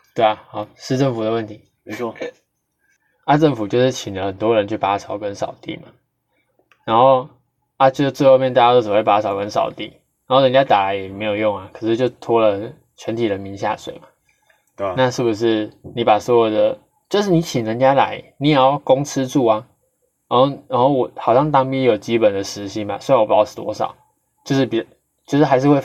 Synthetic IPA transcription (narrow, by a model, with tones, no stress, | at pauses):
t̪we˥˩ɪa˩hɑ˨˩˦ʊʂɻ̩˥˧ʈ͡ʂə˥˩ŋfu˨˩d̪ə˩wə˥˩nt̪ʰi˨˧˦ | a˥˧ʈ͡ʂə˥˩ŋfu˨˩t͡ɕjo˥˧ʊʂɻ̩˥˩t͡ɕʰi˨˩ndə˦hə˨˩nt̪wɔ˦˥ɻə˧˦nt͡ɕʰy˥˩pa˨˩sʰɑ˨˩ʊkə˦nsɑ˨˩ʊt̪ḭ˥˨ma̰˨˩ | ɻa˧˥nxo˥˩ʊ | a˥˧t͡ɕjo˥˧t͡sɹ̩˥˧xo˥˧ʊmjnt̪a˥˩ja˥t͡ɕo˥˩spa˧˥˩ɑ˨˩ʊkə˦nʂɑ̰˨˩ʊt̪ḭ˥˩ | ɻa˨˧˦nxo˥˩˨ɻə˧˦nt͡ɕja˦˥t̪a˨˩la˨˧˦ɪjɛ˨˩me˧˥ɪjo˨˩ʊjo˥˩ŋa˩kʰɤ˨˩ʂɻ̩˥˧t͡ɕjo˥˩ʊt̪ʰwɔ˥lə˨ | t͡ɕʰɥɛ˧˦nt̪ʰi˨˩ɻə˧˦nmi˧˥nɕja̰˥˧ʂwḛ˨˩ɪma˨˩ | na˥˧ʂɻ̩˥˩bu˨˩ʂ̬ɻ̩˥˩ni˨˥pa˨˩swɔ˧˥wɔ˨˩d̪ə˦ | t͡ɕjo˥˧ʊʂ̬ɻ̩˥˩ni˧˥t͡ɕʰi˨˩nɻə˧˦ŋt͡ɕja˦˥la̰˧˦ɪni˧˥ja˨˩˦jɑ˥˩kʊ˦ŋt͡s̩ʰ˥ʈ͡ʂu˥˩a˨ | ɻa˧˥nxo˥˩ʊna˧˦nxo˥˩ʊwɔ˨˩xɑ˨˩ʊɕjɑ˥˩ŋt̪̬ɑ˥˩ŋpi˥jjo˨˩ʊt͡ɕi˥pə˨˩nd̪ə˩ʂɻ̩˧˥ɕi˧˥nma̰˨˩swɔ˧˥i˧wɔ˨˩pa˨˩ɔ˥˩st̪ʰwɔ̰˥ʂɑ̰˨˩˦ʊ | t͡ɕjo˥˧ʊʂɻ̩˥˩pi˨˩ | t͡ɕjo˥˧ʊʂɻ̩˥˩a˧˥ɪʂɻ̩˥˧xwe˥˧ɪ